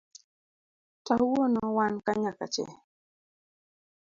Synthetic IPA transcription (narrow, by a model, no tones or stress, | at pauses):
tawonɔwankaɲaka̰t͡ʃɛ̰